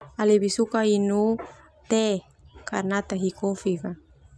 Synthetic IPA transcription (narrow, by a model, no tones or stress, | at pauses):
alebisukainu | t̪e | karnat̪aɦikofika